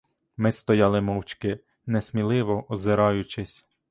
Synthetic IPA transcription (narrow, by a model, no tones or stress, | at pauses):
mɪst̪ɔjɑlˠɪmɔwt͡ʃkɪ | nɛsmʲilˠɪʋɔʔɔzɪɾɑjʊt͡ʃɪsʲ